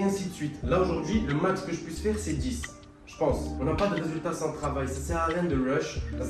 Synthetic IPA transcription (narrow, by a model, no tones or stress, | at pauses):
ɛ̃sit̪əsɥit̪laoʒuʁd̪ɥiləmat͡ʃkəʒəpɥisfɛʁsɛd̪is | ʒ̥əpɑ̃sɔ̃napad̪əʁezylt̪asɑ̃ət̪χavajsasɛʁalɛ̃nd̪əʁɔʃ